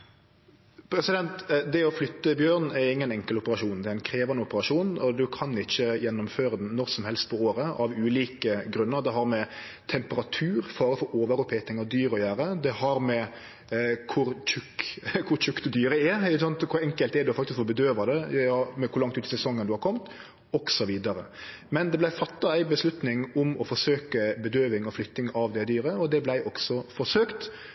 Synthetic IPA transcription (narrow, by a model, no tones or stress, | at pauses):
pʰɾɛsɪd̪ɛnt̪d̪ɛɔflʏt̪ːəbjøːɾnɛɾɪŋːənɛŋkəlʊpəɾɑʂuːnd̪ɛææɪnkʰɾeːʋɑnəʊpəɾɑʂuːnɔd̪ʉkʰɑnɪçːəjɛnːʊmføːɾəd̪nnːɔɾsɔmhɛlst̪̚pʰɔoːɾəɑʋʉːliːkəɡɾʉnːəɾd̪ɛɦɑɾmɛ | t̪ʰɛmpəɾɑt̪ʰʉːɾfɑːɾəfɔɾoːʋəɾɔpʰːɛːt̪ɪŋəd̪yːɾəɔjøːɾəd̪ɛhɑɾmɛ | kʰʊɾçʉkːkʰʊɾt͡ʃʉkːd̪ʉd̪yːɾəɛɾɪkəsɑnt̪kʰʊɾɛŋkəlt̪ɛɾd̪ʉɔfɑkt̪ɪskfoɔbəd̪øːʋɑd̪ɛmɛkʰʊɾlɑŋt̪ʉːt̪ɪsɛsɔŋːənd̪ʉhɑɾkʰɔmt̪ | ɔksɔʋiːd̪ɑɾə̰ | mɛnd̪ɛblæɪfɑt̪ːɑæɪbəslʉt̪nɪŋʊmɔfɔʂøːkəbəd̪øːʋɪŋɔflʏt̪ːɪŋɑʋd̪ɛd̪yːɾəɔd̪ɛblæɪʔɔksɔfɔʂøːkt̪